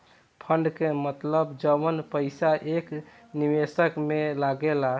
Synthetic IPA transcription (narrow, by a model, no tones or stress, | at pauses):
pʰəɳɖkemət̪ləbd͡ʒəbənpəɪsaʔek | niʋesəkmelaɡela